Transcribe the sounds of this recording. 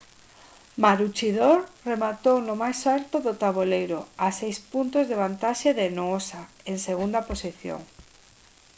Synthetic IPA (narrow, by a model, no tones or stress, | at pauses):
maɾut͡ʃiðoɾremat̪ownʊmajsalt̪ʊðʊt̪aβolejɾoasejspunt̪ʊzðeβ̞ant̪aʃeðenoosa | eŋseɣund̪aposiθjo̰ŋ